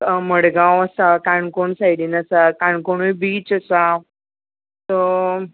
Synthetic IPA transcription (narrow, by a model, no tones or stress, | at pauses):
məɽɡãwəsakaɳkoɳsajɽiːnəsakãɳkoɳ̃ujbiːt͡ɕəsa | t̪ɔ